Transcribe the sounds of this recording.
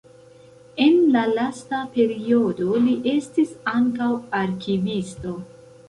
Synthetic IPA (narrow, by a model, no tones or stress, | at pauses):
e̞nlalastape̞ɾio̞do̞liʔe̞stisaŋkawaɾkivisto̞